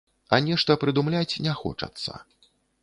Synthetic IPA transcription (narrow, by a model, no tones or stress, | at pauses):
ɐnʲɛʂt̪ɐpɾɨd̪umlʲat͡sʲnʲɛxɔ̰t͡ʂɐ̰t̪sːɐ̰